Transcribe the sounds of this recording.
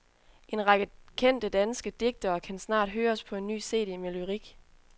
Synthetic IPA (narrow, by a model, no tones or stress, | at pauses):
ʔe̝nʁɑ̈ɡ̥əkʰen̰d̥əd̥ænsɡ̥əd̥e̝ɡ̥̚d̥ɐːkʰænsnɑ̰̈ːd̥ɦøːɐspʰɒ̽e̝nːy̰ːse̝̰ːd̥imelyʁiɡ̥